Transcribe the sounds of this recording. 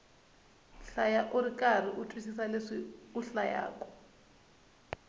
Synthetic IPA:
ɬajaʔuɾikar̤iʔutʰwisisaleʂiuɬaja̰ːkɔ̥

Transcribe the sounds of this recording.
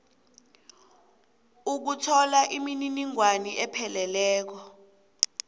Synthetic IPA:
uk̬utʰɔlaʔimininiŋwaniʔɛpʰɛlɛlɛːk̬ɔ

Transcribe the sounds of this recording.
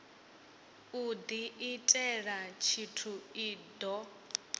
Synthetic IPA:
ud̪iʔitʼɛɺat͡ʃʰitʰuidɔ

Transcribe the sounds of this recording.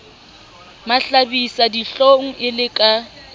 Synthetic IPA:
maɬabisadiɬoŋ̩ʔɪlɪkʼa

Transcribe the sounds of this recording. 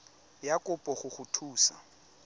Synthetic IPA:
jakʼʊpʼɔχʊχʊtʰuːsa̰

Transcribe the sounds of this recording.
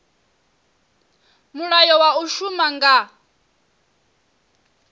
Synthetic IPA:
muɺajɔwauʃumaŋɡa

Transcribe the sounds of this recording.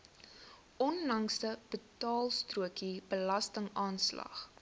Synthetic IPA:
ʔɔnlɐŋsdəb̥ətɑːlˠstruəkibəlɐstəŋɑːnslɐ̰χ

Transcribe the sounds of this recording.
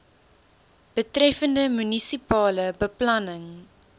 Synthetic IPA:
b̥ətrɛfəndəmynisipɑːləbəplɐnəŋ

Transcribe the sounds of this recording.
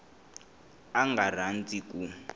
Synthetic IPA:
aŋɡar̤and͡ziku

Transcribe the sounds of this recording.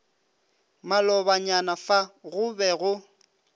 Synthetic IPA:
malɔbaɲanafaɣʊbɛɣʊ

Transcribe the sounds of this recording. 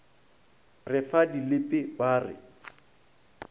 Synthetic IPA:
rɪfadilɪpʼɪbaːrɪ̰

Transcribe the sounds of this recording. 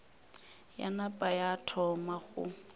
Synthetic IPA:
ja̰napʼajatʰɔmaɣʊ̰

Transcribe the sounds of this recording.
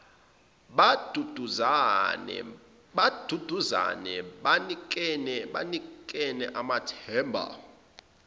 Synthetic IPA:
ɓad̥ʱud̥ʱuzanɛ̰ | ɓad̥ʱud̥ʱuza̰nɛɓanik̬ʼɛnɛɓanikʼɛnɛʔamatʰɛːmbʱa̰

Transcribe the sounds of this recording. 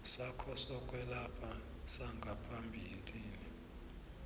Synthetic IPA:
sakʰɔsɔkʼwɛlapʰa | saŋɡʱapʰambʱiliːni

